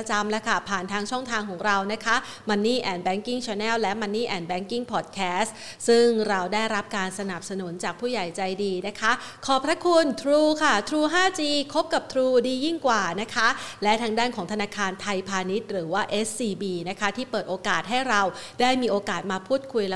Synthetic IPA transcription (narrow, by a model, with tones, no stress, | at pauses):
t͡ɕa˧mlɛ˦˥kʰa˥˩pʰaː˨˩nt̪ʰaː˧ŋt͡ɕʰɔ˥˩ŋt̪ʰaː˧ŋkʰɔː˩˦ŋɾa˧wna˦˥kʰa˦˥ | ma˧nːiː˥˩ʔɛː˨˧˩nbɛː˦˥ŋki˥˩ŋt͡ɕʰɔː˧nɛː˥˩wlɛ˦˥ʔma˧nːiː˥˩ʔɛː˨˩nbɛː˦˥ŋki˥˩ŋpʰɔː˨˩t̪̚kʰɛː˦˥s | sɯ˥˩ŋɾa˧wdaː˥˩jɾa˦˥p̚kaː˧nsa˧na˨˩p̚sa˧nu˨˩˦nt͡ɕaː˨˩k̚pʰuː˥˩ja˨˩jt͡ɕa˧jdiː˧na˦˥kʰa˦˥ | kʰɔː˨˩pʰɾa˦˥kʰu˧nt̪ʰɾuː˧kʰa˥˩t̪ʰɾuː˧ɦaː˥˩t͡ɕiː˧kʰo˦˥p̚ka˨˩p̚t̪ʰɾuː˧diː˧ji˥˩ŋkwaː˨˩na˦˥kʰa˦˥lɛ˦˥t̪ʰaː˧ŋdaː˥˩nkʰɔː˩˦ŋt̪ʰa˧naː˧kʰaː˧nt̪ʰa˧jpʰaː˧ni˦˥t̪̚ɾɯː˩˦waː˥˩ʔe˦˥sːiː˧biː˧na˦˥kʰa˦˥t̪ʰiː˥˩pɤː˨˩t̪̚ʔoː˧kaː˨˩t̪̚ɦa˥˩jɾa˧wdaː˥˩jmiː˧ʔoː˧kaː˨˩t̪̚maː˧pʰuː˥˩t̪̚kʰu˧jl